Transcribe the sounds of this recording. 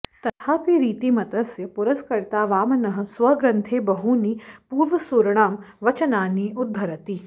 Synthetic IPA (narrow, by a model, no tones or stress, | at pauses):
t̪ɐt̪ʰaːpiɾiːt̪imɐt̪ɐsjɐpʊɾɐskɐɾt̪aːʋaːmɐnɐɦɐ̆sʋɐɡɾɐ̃nt̪ʰeːbɐɦunipuːɾʋɐsuːɾɐɽ̃aːmʋɐt͡ʃɐnaːniʊd̪ʱːɐɾɐt̪iː